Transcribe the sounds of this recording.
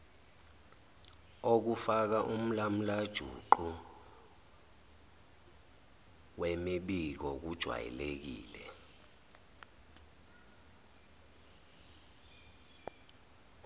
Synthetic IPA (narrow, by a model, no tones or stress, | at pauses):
ok̬ufak̬aʔum̩lam̩lad̥ʒ̥ʱṵǃu | wemiɓik̬ɔk̬ud̥ʒ̥ʱwa̰jɛ̰lek̬ḭːlɛ